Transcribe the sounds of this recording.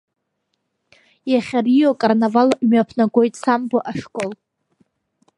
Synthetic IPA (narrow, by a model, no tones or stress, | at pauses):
jaχʲarijokʼarnavalmɥapʰnaɡʷo̞jtʼsamboʔaʂkʼol